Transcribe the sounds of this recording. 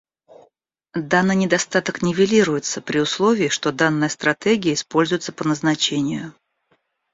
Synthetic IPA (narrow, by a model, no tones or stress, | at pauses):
d̪anːɨjnʲɪd̪ɐst̪at̪əknʲɪvʲɪlʲiɾʊjɪt̪səpɾʲɪʊslˠo̞vʲɪːʂt̪o̞d̪anːəjəst̪ɾɐt̪eɡʲɪjəɪspo̞lʲzʊjɪt̪sə̥pənəznɐt͡ɕenʲɪjʊ